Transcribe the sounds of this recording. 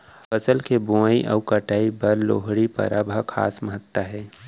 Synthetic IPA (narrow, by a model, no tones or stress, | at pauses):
pəsəlkebũaiʔɐ̰wkəʈaːipɐɾlo̰ːɦɽipə̰ɾaːbʱəkʰa̰ːsməɦət̪ːəɦɛː